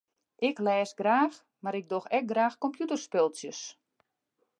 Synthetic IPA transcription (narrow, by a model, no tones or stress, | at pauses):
ʔɪklɛːsɡraːx | maɾɪɡ̚doxɛk̚ɡraːxkɔmpjutərspɪlˠsjəs